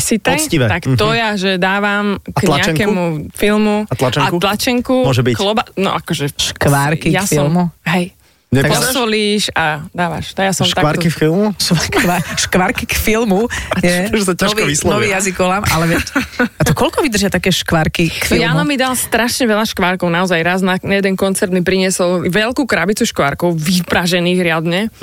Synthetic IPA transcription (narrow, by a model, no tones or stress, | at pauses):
sit̪ɔciʋɛt̪akt̪ɔjaʒɛd̪aːʋamaɲlaɛaɛŋkɛmufilmuat̪lat͡ʃɛakulat͡ʃɛŋkumʊɔʒɛbiklɔbanɔ̰ʔakɔʒɛʃkʋaɾkijasfiɔlˠmuɦɛj | ɲɛasɔliːʃad̪aːʋa̰ʃnɔjasɔmʃt̪aʋaɾkiffilmuʃakkʋaʃkʋaɾkikfilmuajɛɛs̬acaʋɔislɔnɔiːjazikɔlamʔalɛʋɛat̪ɔkɔlkɔʋid̪ər̩ʒjat̪akɛːʃkʋaɾkikfijalamid̪alst̪ɾaʃɲɛʋɛʎaʃkʋaɾkɔʊnaɔzajɾaznanajɛd̪ɛnkɔnt͡sɛɾd̪mipɾiɲɪɛsɔlʋɛlkukɾabit͡suʃkʋaɾkɔʊʋipɾaʒɛniːɣɾɪad̪ɲɛ